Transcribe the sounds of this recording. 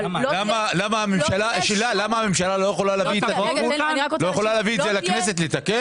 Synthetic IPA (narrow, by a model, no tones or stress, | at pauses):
lamalamaamemʃalaʃelalamaamemʃalalo̞jexolalaviet̪atulojexolaleaːviːt̪zelakne̞se̞t̪̬let̪ake